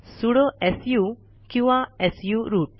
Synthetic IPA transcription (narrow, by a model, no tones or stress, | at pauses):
suɽoʔɛsju | kĩw̃ʋaɛsjuɾuːʈ̚